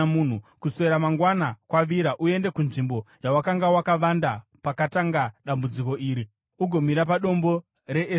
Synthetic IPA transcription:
mun̤ukuse̞ɾamaŋɡwanakwaʋiɾaʔue̞nde̞kunʐimbo̞jawakaŋɡawakaʋandapakataŋɡaɗambud͡ziko̞ʔiːɾi | uɡʱo̞miɾapaɗo̞mbo̞ | re̞ʔe

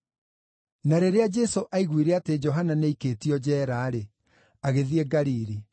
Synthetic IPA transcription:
naɾeɾead͡ʒɛsoʔaiɣwiɾeated͡ʒɔɦananeikeːtiɔd͡ʑɛːɾaːɾe | aɣeðieɡaɾiɾi

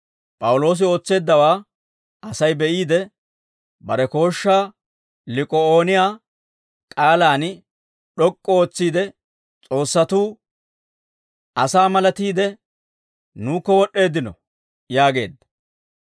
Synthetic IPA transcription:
pʼɐwʊlo̞ːs̬ɪo̞ːt͡sːe̞ːd̪ːɐwaː | ʔɐsɐjbɛʔiːd̪ɛ | bɐɾɛko̞ːʃːaː | lɪkʼɔoːnɪjaː | kʼaːlaːn | ɗɔkʼːɔo̞ːt͡sːiːd̪ɛ | t͡sʼo̞ːsːɐt̪uː | ʔɐsaːmɐlɐt̪iːd̪ɛ | nuːkːɔwɔɗːe̞ːd̪ɪnɔ̰ | jaːɡe̞̰ːd̪ːɐ̥

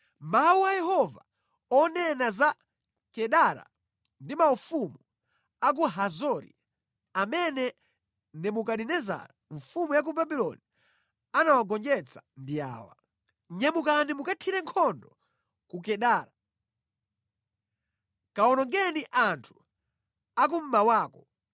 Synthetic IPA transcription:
mawuajɛhɔva̰ | ɔnɛnaza | kɛɗaɾa̰ | ndimaufumu | ak̬uɦazɔɾḭ | amɛnɛ | nɛmukaɗinɛza̰ɾaɱfumujak̬ubabilɔ̰ni | anawaɡɔnd͡ʒɛt͡sʰḁndia̰ːwa̰ | ɲɛmukanimukatʰiɾɛŋkʰɔndɔ | kuk̬ɛɗaːɾa | kaɔnɔŋɡɛniʔantʰu̥ | ak̬um̩mawaːkɔ

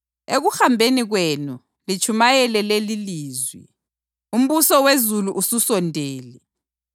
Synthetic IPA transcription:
eɣuxambʱeniɣwenu | lit͡ʃʰumajɛlɛleliliːzwḭ | um̩βusɔwezuluʔususɔndʱeːlɛ

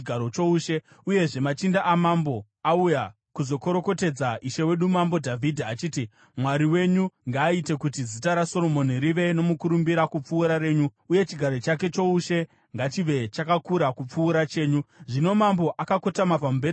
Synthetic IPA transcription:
ɡʱaɾot͡ʃo̞uːʃe̞ | uje̞ʐe̞mat͡ʃindaʔamambo̞ | auja | kuzo̞ko̞ɾo̞ko̞te̞d͡zaʔiʃe̞we̞ɗumambo̞dʱavʱidʱaːt͡ʃiːti | mwaɾiwe̞ɲuŋɡaːite̞kutizitaɾasolo̞mo̞niɾiʋe̞no̞mukuɾumbiɾakup͡fuːɾaɾe̞ːɲuuje̞t͡ʃiɡʱaɾo̞t͡ʃake̞t͡ʃo̞uʃe̞ | ŋɡat͡ʃiʋe̞t͡ʃakakuɾakup͡fuːɾat͡ʃe̞ːɲuʐino̞mambo̞ʔakako̞tamapamubʱe

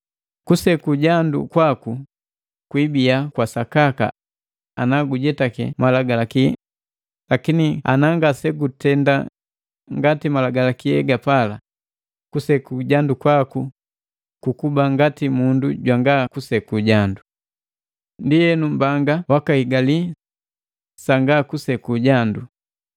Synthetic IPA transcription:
kusɛkuɟandṵkwaku | kwibiakwasakaka̰ | anaɡuɟɛtakɛ̰malaɡalakiɛ̰ | lakinia̰naŋɡasɛɡutɛnda̰ | ŋɡatimalaɡalakiɛɡapala | kusɛkuɟandukwaku | kukubaŋɡatimunduɟwaŋɡakusɛkuɟandu | ndijɛnumbaŋɡawakahiɡali | saŋɡakusɛkuɟandu

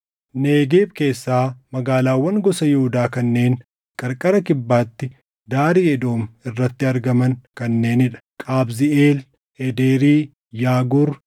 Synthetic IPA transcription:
neːɡeːbke̞ːsːaːmɐɡaːlaːwːɐŋɡɔsɐjʊhʊd̪aːkɐnːe̞ːŋ | kʼɐɾkʼɐɾɐkɪbːaːt̪ːɪ | d̪aːɾiɛd̪o̞ːmɪrːɐt̪ːɪɐɾɡɐmɐnkɐnːe̞ːnɪᶑɐ̥kʼaːbzɪeːl | ɛd̪eːɾiː | jaːɡʊɾ

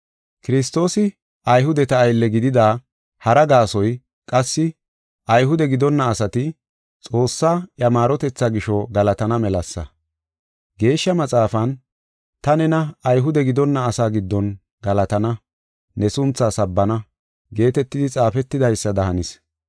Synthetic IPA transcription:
kɪɾɪs̬t̪o̞ːsɪ | ɐjɦʊd̪ɛt̪ɐːjlːɛɡɪd̪ɪd̪aː | hɐɾɐɡaːsɔj | kʼɐsːɪ | ʔɐjɦʊd̪ɛɡɪd̪ɔnːɐːsɐt̪ɪ | t͡sʼo̞ːsːaːʔjɐmaːɾɔt̪ɛt͡sːaɡɪʃɔɡɐlɐt̪ɐnɐmɛlɐsːɐ̰ | ɡe̞ːʃːɐmɐt͡sʼaːfɐn | t̪ɐnɛnɐːjɦʊd̪ɛɡɪd̪ɔnːɐːsaːɡɪd̪ːɔn | ɡɐlɐt̪ɐnɐ | nɛsʊnt͡sːaːsɐbːɐnɐ | ɡe̞ːt̪ɛt̪ːɪd̪ɪt͡sʼaːfɛt̪ːɪd̪ɐjsːɐd̪ɐhɐnɪs

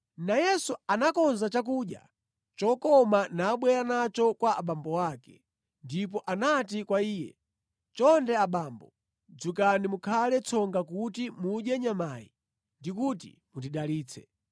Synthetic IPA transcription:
najɛsuanakɔnzat͡ʃak̬uːɗja̰ | t͡ʃɔkɔmanaːɓwɛɾanat͡ʃɔkwaʔaɓambɔwaːkɛ | ndip̬ɔʔanatikwaiːjɛ̰ | t͡ʃɔndɛaɓaːmbɔ | d͡zukanimukʰalɛt͡sʰɔŋɡakutimuɗjɛɲamaːjḭ | ndikutḭ | mutiɗaliːt͡sʰɛ

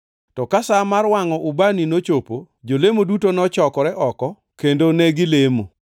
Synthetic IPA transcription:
tɔkasamarwaŋɔʔubaninot͡ʃopo | d͡ʒolemodutonɔt͡ʃɔkɔɾɛʔɔkɔ | kendonɛɡɪlemo

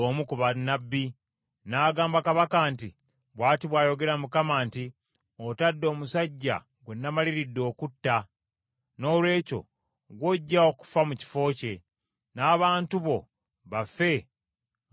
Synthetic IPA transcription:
oːmukuβanːabːi | naːɡaːmbakaβakaːnti | βwaːtiβwaːjo̞ɡe̞ɾamukamaːnti | o̞tadːo̞ːmusaɟːa̰ | ɡwenːamaliɾidːo̞ːkutːa | no̞ːlwe̞ːco̞̰ | ɡwoɟːaoku̥famuci̥fo̞ːce̞ | naːβaːntuβo̞ | βafe̞

